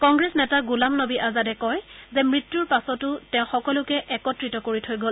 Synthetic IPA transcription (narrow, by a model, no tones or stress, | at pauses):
kɔŋɡɹesnɛtaɡulamnobiʔazadɛkɔjzɛmɹitjuɹpasɔtʊtɛʊ̃xɔkɔlʊkɛʔɛkɔtɹitɔkoɹitʰojɡol